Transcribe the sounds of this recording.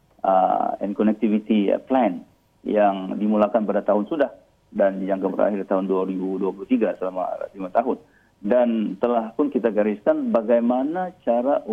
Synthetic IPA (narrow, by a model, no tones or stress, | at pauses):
ə̰ɛ̰nkɔnɛk̚t̪ivit̪iplɛn | jaŋdimulakanpadat̪aɦʊnsudah | danjaŋkəbəɾa̰ɦɪrt̪aɦʊnduaɾibuduapuluht̪iɡasəlama̰limat̪aɦʊn | dant̪əlahpʊnkit̪aɡaɾiskanbaɡajmanat͡ʃaɾaʔ